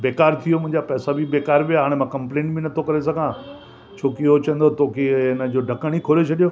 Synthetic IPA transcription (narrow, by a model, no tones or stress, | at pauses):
beːkaːɾt̪ʰijomʊ̃ɦɪ̃ɲd͡ʑapɛːsabɪbeːkaːɾʋijaɦaːɽ̃emãːkɐ̃mplẽːɳʈbɪnɐt̪ʰokɐɾesɐɡʱã | t͡ɕʰoːkeɦot͡ɕɐə̃nd̪ot̪ʰoːkʰeɪnəd͡ʑoːɖʱɐkəɽ̃ikʰoːɾet͡ɕʰɐɗijo